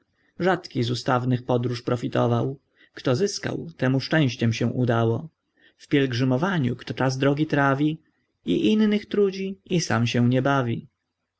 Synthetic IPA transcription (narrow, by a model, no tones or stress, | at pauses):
ʐat̪kʲizust̪avnɘxpɔd̪ɾuʂpɾɔfʲit̪ɔ̰vaw | kt̪ɔzɘska̰wt̪ɛmuʂt͡ʂɛ̃w̃ɕt͡ɕɛmɕɛw̃ʔud̪awɔ | fpʲjɛlɡʐɘmɔvaɲukt̪ɔt͡ʂazd̪ɾɔɡʲit̪ɾavʲi | iʔinːɘxt̪ɾud͡ʑiisa̰mɕɛ̃w̃ɲɛbavʲi